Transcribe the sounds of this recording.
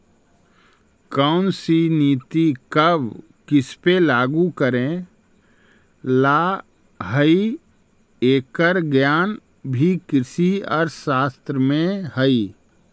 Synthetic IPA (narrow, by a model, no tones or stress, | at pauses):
kəʊnsiniːt̪ikəb | kɪspelaːɡukəɾẽ | la | ɦəi | eːkəɾɡjaːn | bʱikɾɪsiɔ̰ːɾsaːst̪ɾəmẽɦəi